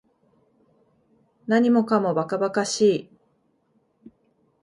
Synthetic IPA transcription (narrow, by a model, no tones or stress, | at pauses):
naɲ̟imo̞kamo̞bakabakaɕiː